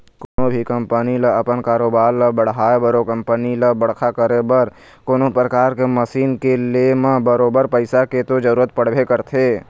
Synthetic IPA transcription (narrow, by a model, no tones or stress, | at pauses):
koːnobʱikə̃mpəniləəpənkaːɾoːbaːɾləbəɽ̤ɦaːebəɾokə̃mpəniləbəɽkʰakəɾebəɾ | koːnopɾəkaːɾkeməsiːnkelemãbəɾoːbəɾpəɪsaket̪od͡ʒəɾuːɾət̪pəɽ̤bʱekəɾt̪ʰeː